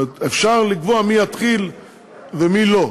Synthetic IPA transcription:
t̪efʃaʁliɡvoamijat̪χil | vemilo̞

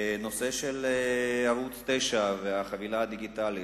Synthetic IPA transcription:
no̞se̞ʃeleavut͡st̪eʃaveaχavilaad̪iɡit̪ali

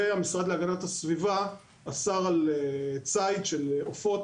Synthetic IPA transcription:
eamisʁad̪leaɡanatasviva | asaʁalet͡sajt̪ʃelofo̞t

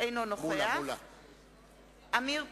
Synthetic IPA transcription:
enɔnɔχʊjal | amɪ

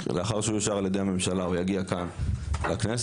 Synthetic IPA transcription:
leaχaʁʃeujaʃaʁaljed̪ejhame̞mʃalaujaɡiakanlaknes

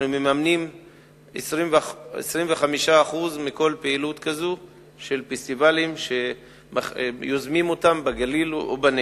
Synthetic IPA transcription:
umemamnim | esʁimvḛsʁimveχamiʃaːχuzmiko̞lpeilutkazu | ʃe̞lfest̪ivalimʃe̞ | majozmimotambaɡalilo̰bane

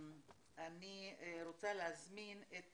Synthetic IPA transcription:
aniɾot͡saleazminet̪

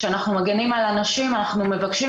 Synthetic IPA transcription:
eanaχnumaɡenimalanaʃimanaχnume̞vakʃi

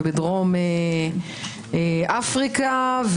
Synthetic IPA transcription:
bed̪ʁome | eʔafʁikav

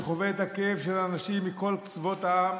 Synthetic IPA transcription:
χoveet̪hakeefʃelaːnaʃimːiko̞lkt͡svo̞t̪aam

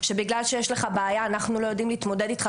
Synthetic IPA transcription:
ʃe̞biɡlalʃejeʃleχabeajaːnaχnulo̞jo̞d̪imliːt̪mo̞d̪e̞d̪it̪χa

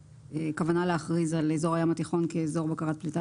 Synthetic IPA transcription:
ekavanaleaχʁizalezo̞ʁajamat̪iχo̞nkeːzo̞ʁbakaʁat̚plita

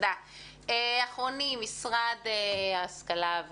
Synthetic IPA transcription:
d̪a | eaχʁonimisʁad̪easkalav

